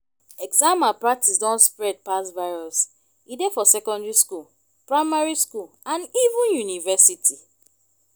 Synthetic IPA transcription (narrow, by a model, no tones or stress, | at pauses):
ɛɡzãmapɹak̚tisdɔ̃nspɹɛd̚pasvaɪɹɔs | idefɔsɛkɔ̃ndɹiskul | pɹaɪmaɹiskul | ãnivũnjunivɛsitʰi